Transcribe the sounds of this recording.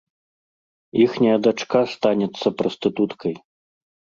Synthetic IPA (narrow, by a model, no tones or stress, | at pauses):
ixnʲɐjɐd̪at͡ʂkast̪anʲɛt̪sːɐpɾɔst̪ɨt̪ut̪kʰɐj